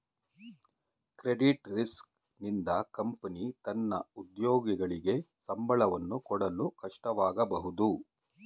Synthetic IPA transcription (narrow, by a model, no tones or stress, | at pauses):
kɾeɖiʈɾisk | nind̪ɐkɐmpɐnit̪ɐnːɐ̰ud̪joːɡiɡɐɭiɡe̞sɐmbʱɐɭɐʋɐnːukɔɽɐlukɐʂʈɐʋaːɡɐbɐɦud̪u